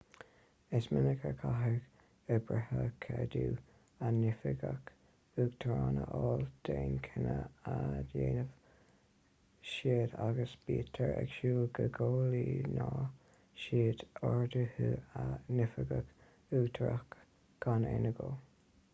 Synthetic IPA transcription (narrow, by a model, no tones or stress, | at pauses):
ɪsmɪnəkʰəkʰaɦəɡ | əbɹɛhəkʰɛd̪uː | anɪfɪɡək | uːɡt̪ʰɾaːnəʔɔːld̪̥eːnkʰɪnəadjeːnəv | ʃiəd̪aɡəsb̥iːt̪ʰəɹɛɡʃuːɡəɡoːliːnɑː | ʃiːd̪ɔɹd̪əhuanɪfəɡək | uːt̪ʰɾəxk | ɡ̥aneːnəɡo